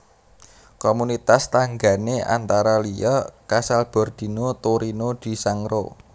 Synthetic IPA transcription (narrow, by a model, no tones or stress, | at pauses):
komunit̪ast̪aŋɡa̤neʔa̰nt̪aɾalijɔkasalb̥ɔ̤rd̪̥i̤not̪oɾinod̪̥i̤saŋro̰